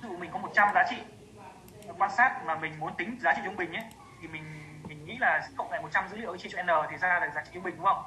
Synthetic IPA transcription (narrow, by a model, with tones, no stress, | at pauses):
ɨ̰˧˩˨mï˨˩ŋ̟kɔ˨˦mo˨˩t̚t͡ɕa˧mzaː˨˦t͡ɕḭ˧˨˩ | kwaː˧nsaː˦˥t̚maː˨˩mï˨˩ŋ̟mu˨˦ənt̪ï˨˦ŋ̟zaː˨˦t͡ɕḭ˧˨zʊ˧ŋ͡mɓï˨˩ŋʔə˨˦j | t̪ʰi˨˩mï˨˩ŋ̟ | mï˨˩ŋ̟ŋḭ˧˥laː˨˩xə˧wŋ͡mla̰ː˧˨jmo˨˩t̚t͡ɕa˧mzɨ̰˧˥lḭ˧˥˩t͡ɕḭ˧˨t͡ɕɔ˧˨ɛ˧nəː˨˩t̪ʰi˨˩zaː˧laː˨˩zaː˨˦t͡ɕḭ˧˨˧ŋ͡mi˨˩ŋ̟kʊ˦ə̰˧˨wŋ͡m